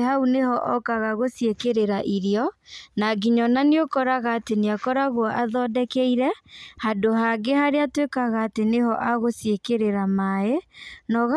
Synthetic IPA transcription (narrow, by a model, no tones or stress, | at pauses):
haunehɔʔɔkaɣaɣosjekeɾeɾaʔiɾiɔnaɡiɲɔnaneokɔɾaɣaːteneakɔɾaɣwɔʔaðɔdɛkɛiɾɛhadoɦaɡehaɾeatwekaɣaːteneɦɔʔaɣosjekeɾeɾamaenɔɣa